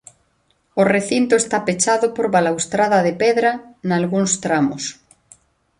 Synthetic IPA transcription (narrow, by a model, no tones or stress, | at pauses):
oreθint̪oest̪apet͡ʃaðʊpoɾβalawst̪ɾaðɐðepeðɾanalɣuŋst̪ɾamos